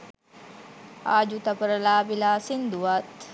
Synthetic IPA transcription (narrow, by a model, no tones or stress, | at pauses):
aːd͡ʒut̪ɐpəɾəlaːbilaːsind̪uʋat̪